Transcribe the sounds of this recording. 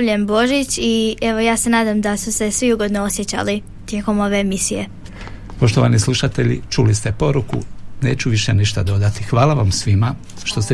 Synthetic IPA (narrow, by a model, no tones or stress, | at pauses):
ʎembo̞ʒit͡ɕie̞ʋo̞jaːse̞naːd̪amd̪asuse̞sʋiuɡo̞d̪noosjet͡ɕa̰li | t̪jeːko̞mo̞ʋe̞ːmisije̞̰ | po̞ʃt̪oʋanislˠuʃat̪e̞ʎḭt͡ʃulist̪epo̞ɾukṵneːt͡ɕuʋiʃeniʃt̪ad̪o̞d̪at̪ixʋaːlaʋamsʋima | ʃt̪o̞st̪e